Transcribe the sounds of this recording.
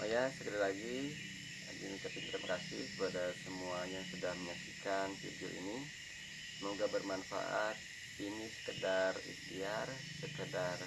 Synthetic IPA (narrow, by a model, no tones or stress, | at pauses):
ʔa̰jasəkədalaɡi | dinikat̪int̪ɾəmkasɪ̰hbadasəmuajaŋsudahməɲasikanfḭdio̰ʔḭni | moɡabərmanfa̰ʔat̪̚ | inisə̥kədarḭstiar | səkədar